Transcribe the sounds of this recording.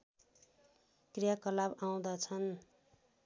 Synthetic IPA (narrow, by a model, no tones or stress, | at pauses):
krijakʌlabaw̃d̪at͡sʰʌn